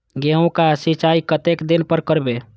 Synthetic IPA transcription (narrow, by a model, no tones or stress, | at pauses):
ɡeõkasit͡ʃaikət̪ekd̪inpəɾkəɾbe